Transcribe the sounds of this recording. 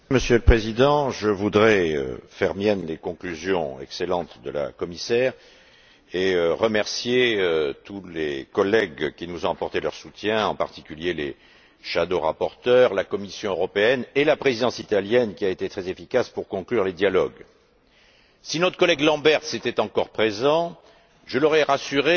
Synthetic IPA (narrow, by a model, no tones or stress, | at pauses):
məsjøləpχezid̪ɑ̃ʒəvud̪ʁɛø̰fɛʁmjɛnlekɔ̃klyzjɔ̰̃ɛ̰kselɑ̃t̪d̪əla̰kɔmisɛːʁ | eøʁəmɛʁsjeøt̪ulekɔlɛɡkʲinuzɔ̃apɔʁt̪elœʁsut̪jɛ̃ɑ̰̃pa̰ʁt̪ikʲyljelḛ | ʃad̪oʁa̰pɔʁt̪œʁlakɔmisjɔ̃øʁɔpeɛnelapχezid̪ɑ̃sit̪aljɛnkʲiaet̪et̪χɛzefikaspuʁkɔ̃klyʁled̪jalɔɡ | sinɔt̪χəkɔlɛɡlɑ̃bɛʁt̪set̪ɛt̪ɑ̃kɔʁpχezɑ̃ | ʒəlɔʁɛʁasyʁe